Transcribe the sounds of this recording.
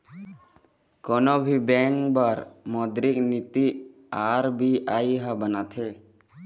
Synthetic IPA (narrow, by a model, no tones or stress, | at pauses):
kɔːnobʱibɛ̃ːŋkbaɾmɔːd̪ɾɪknit̪i | aːɾbiʔaːiɦabənat̪ʰeː